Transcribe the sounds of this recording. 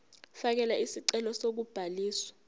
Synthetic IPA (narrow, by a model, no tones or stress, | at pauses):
fak̬ɛlaisiǀɛlɔsok̬ub̥ʱaliːswḁ